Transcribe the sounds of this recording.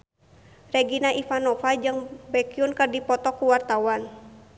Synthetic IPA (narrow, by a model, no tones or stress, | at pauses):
rɛɡinaʔifanɔfad͡ʒɨŋbɛkiunkərdipɔt̪ɔkuwart̪awan